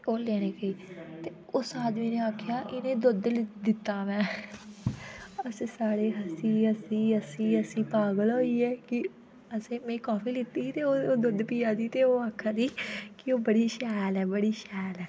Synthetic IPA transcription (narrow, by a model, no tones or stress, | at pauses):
oːleːɽ̃eːkəiːt̪eː | ʊsaːd̪miːnẽːaːkʰjaːʔɪnẽːd̪ʊd̪ld̪ɪt̪ːaːʋɛ̃ː | əssaːɽeːɦəsiːəsĩːəsĩːəsĩːpaːɡəlɦoːiːɛːkɪ | əsẽːmɛ̃ːkaːpʰiːlɪt̪ːiːt̪eːoːoːd̪ʊd̪piːaːd̪iːt̪eːoːaːkʰːaːd̪iːkɪoːbəɽiːʃɛːlɛːbəɽiːʃɛːlɛː